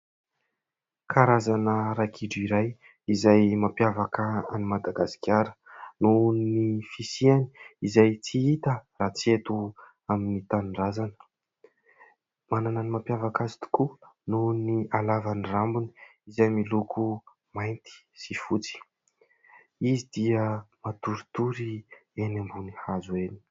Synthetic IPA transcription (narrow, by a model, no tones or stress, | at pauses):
kʰaɾazanəɾakʰiɖ͡ʐiɾaj | izajmapjavakəanimad̪aɡasi̥kʲaɾə̥nunnifisiani̥izajt͡siit̪əraːt͡siet̪u | aminit̪anrazanə̥ | manananimapjavakazi̥t̪u̥kununialavanrambuni̥izajmilukʰu | majnt̪i̥ | sifut͡si̥ | izid̪iəmat̪uɾit̪uɾienambunihazueni̥